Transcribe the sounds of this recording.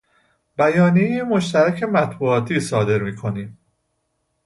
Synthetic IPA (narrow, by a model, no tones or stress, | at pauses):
bæjɒːnijejemo̞ʃt̪æɾæcʰe̞mæt̪ʰbuːɒːt̪ʰiːsɒːd̪e̞ɾmiːkʰo̞niːm